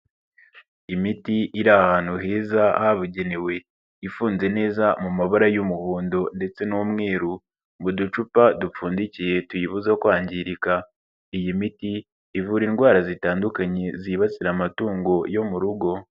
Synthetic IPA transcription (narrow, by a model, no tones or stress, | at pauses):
imitiʔiɾaahaːn̥huɦeːzahaβuɟe̞newe̞ | ifuːnze̞ne̞ːzamumaβaɾajumuhuːndo̞nde̞t͡se̞nuːmŋe̞ːɾu | mudut͡ʃupadup͡fuːndicije̞tujiβuzakwaːɲɟiɾika | ijimitiː | vuɾinɡwaːɾazitaːndukaɲe̞ziβat͡siɾamatuːŋɡo̞jo̞muɾuɡo̞